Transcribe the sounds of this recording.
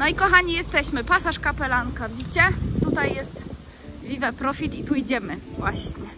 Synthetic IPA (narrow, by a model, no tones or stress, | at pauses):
nɔikɔxaɲijɛst̪ɛɕmɘpasaʂkapɛlaŋkavʲit͡ɕɛt̪ut̪ajːɛst̪ | vʲivɛpɾɔfʲit̪it̪uid͡ʑɛmɘvwaɕɲɛ